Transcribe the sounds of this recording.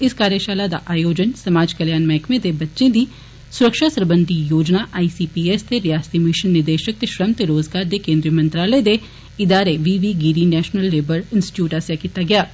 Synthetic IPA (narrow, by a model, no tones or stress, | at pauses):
ɪskaːɾjəʃaːlad̪a̰ʔaːjoːd͡ʒənsɐmaːd͡ʒkɐljaːnmɛ̃ːkmẽd̪ebɐtːʃẽd̪ʱi | sʊɾəkʃasɐɾbə̃nd̪ʱijoːd͡ʒnaʔaːisiːpiːeːst̪eɾijaːst̪imɪʃənːɪɾd̪eːʃək̚t̪eʃɾəmt̪eɾoːzɡaːɾd̪ekẽːnd̪ɾijəmɐ̃nt̪ɾaːləd̪e | ɪd̪aːɾeʋiːʋiɡiːɾinɛːʃnəlːeːbəɾɪ̃nsʈɪ̥ʈjuːʈasekɪt̪aɡɐjaː